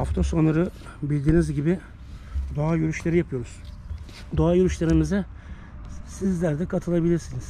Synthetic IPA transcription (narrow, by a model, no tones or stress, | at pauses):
haft̪ʰosonaɾɯ | bilʲd̪iːnizɟibɪ | d̪oajyɾyʃlʲe̞ɾijapʰɯjo̞ɾuz̥ | d̪oajyɾyʃlʲeɾimizɛ | sizlʲæɾd̪ɛkʰat̪ʰɯlˠabilʲiɾsiniz̥